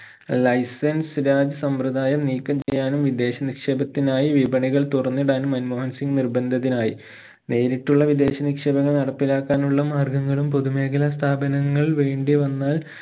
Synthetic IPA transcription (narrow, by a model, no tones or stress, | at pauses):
lɐjsɐnsɾaːd͡ʑɐsɐmprɐd̪ʱaːjɐmniːkːɐmt͡ɕejːaːnumʋid̪e̞ːɕɐnikʂeːbɐt̪ːinaːjiʋibɐɳiɣɐɭt̪urɐnːiɽaːnumːɐnmoːhɐnsiŋɡnirbɐnd̪ʱɐt̪ːinaːji | ne̞ːɾiʈːuɭːɐʋid̪e̞ːɕɐnikʂeːbɐŋːɐɭnɐɽɐpːilaːkːaːnuɭːɐmaːrɡɐŋːɐɭumpoðume̞ːkɐlɐst̪ʰaːbɐnɐŋːɐɭʋe̞ːɳɖiʋɐnːaːl